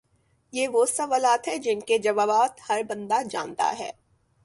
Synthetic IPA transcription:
jeːʋosɐʋaːlaːt̪ɦɛ̃d͡ʒɪnked͡ʒɐʋaːbaːt̪hɐɾbɐ̃nd̪ad͡ʒã̰ːnt̪a̰ɦɛ̰ː

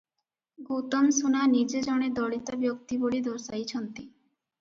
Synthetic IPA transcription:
ɡot̪omsunanid͡ʑed͡ʑɔɽ̃ed̪ɔɽit̪abjok̚t̪iboɭid̪oɾsajt͡ɕʰɔnt̪i

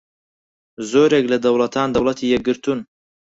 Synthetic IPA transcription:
zoːɾeklɐd̪ɐwlˠɐt̪ʰaːnd̪ɐwlˠɐt̪ʰiːjɛɡɨɾt̪un

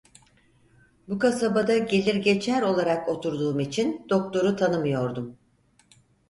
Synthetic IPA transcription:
bukasabad̪aɟe̞lʲiɾɟe̞t͡ʃʰæɾo̞lˠaɾako̞t̪ʰuɾd̪uːmit͡ʃʰind̪̥o̞k̚t̪ʰo̞ɾut̪ʰanɯmɯjo̞ɾd̪um

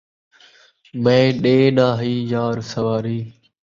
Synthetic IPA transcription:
mẽːɗeːnaːɦiːjaːɾsəʋaːɾiː

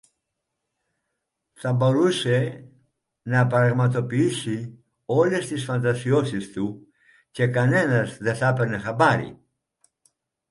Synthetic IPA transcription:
θɐbo̞ɾuse | nɐpɾɐɣmɐt̪o̞piisi | o̞lest̪isfɐnt̪ɐsiosist̪u | ce̞kɐne̞nɐzðe̞θɐpeɾnexɐbaɾḭ

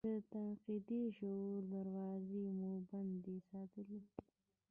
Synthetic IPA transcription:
ət̪anqid̪iʃoɾd̪aɾwɑzimoband̪isɑːt̪əli

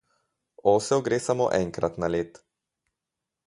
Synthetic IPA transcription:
oːsɛɡɾeːsamo̰ːʔɛŋkɾa̰t̪naleːt̪

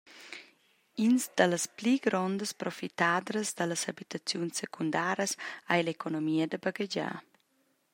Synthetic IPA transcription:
inzd̪ələspliɡɾɔnd̪əspɾofit̪ad̪ɾəzd̪ələsabit̪at͡sjunsːekʰund̪aɾəsajlekonomiəd̪əbaɡəd͡ʒa̰

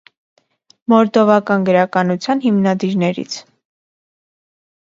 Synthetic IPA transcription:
mɔɾd̪ɔvɑkɑnɡəɾɑkɑnut͡sʰjɑnɦimnɑd̪iɾnɛɾḭt͡sʰ

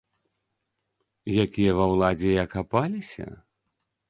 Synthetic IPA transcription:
jakʲijɐvawlˠad͡zʲɛjakapalʲisʲɐ̰

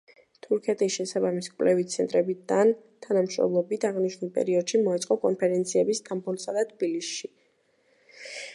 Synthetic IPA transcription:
t̪ʰuɾkʰɛt̪ʼisʃɛsabamisi̥kʼwlɛvit̪sʰɛnt̪ʼɾɛbid̪an | t̪ʰanamʃɾɔ̰mlˠɔbit̪ʰaʁniʃnulˠpʼɛ̰ɾiɔd̪ʃimɔɛt̪sʼqʼɔkʼɔnpʰɛɾɛnt̪sʰiɛbist̪ʰʼambɔlˠsad̪at̪ʰb̥ilisʃi

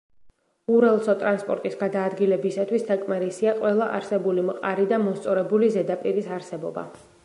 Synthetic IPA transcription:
uɾɛlˠsɔt̪ʼɾanspʼɔ̰ɾt̪ʼisɡad̪aːd̪ɡilɛbisat̪ʰwist̪ʰakʼmaɾisiaqʼwɛlˠaʔa̰ɾsɛbulimqʼaɾid̪amɔst̪sʼɔɾɛbulizɛd̪apʼiɾisaɾsɛbɔba̰

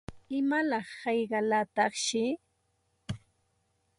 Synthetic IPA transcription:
ɪmalɑχːɑjɢɑlat̪ɑχʃɪ

